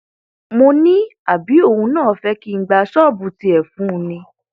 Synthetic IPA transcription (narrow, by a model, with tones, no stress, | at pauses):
mo˧nĩ˦a˨bi˨˦o˦˨hũ˧nãː˦˨fɛ˧˦ki˦˧˦ɡ͡ba˧˦ʃɔ˦˨bu˧˦ti˧ɛ˨fũ˨˦˧nĩ˧